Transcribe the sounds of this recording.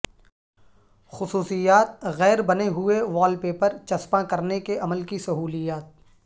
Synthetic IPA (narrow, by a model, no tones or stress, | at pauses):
xʊsuːsijaːt̪̚ɣɛːɾbɐneɦʊeʋaːlpeːpəɾt͡ʃɐspãkɐɾnekeʔɐməlkisɐɦuːlijaːt̪̚